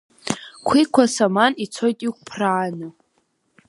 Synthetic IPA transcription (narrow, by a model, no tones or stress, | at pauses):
kʷʰikʷʰasamanit͡sʰo̞jtʼik̚ʷʰʼpʰraːnɨ